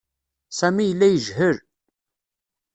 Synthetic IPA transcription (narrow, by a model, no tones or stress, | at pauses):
sæmijəlːæjəʒhəɾ